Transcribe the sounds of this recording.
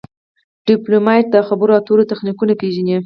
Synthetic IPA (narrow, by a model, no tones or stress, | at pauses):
ɖ̥ɪplomɑʈ̚d̪əxabəɾoat̪oɾot̪axnikunapeʒani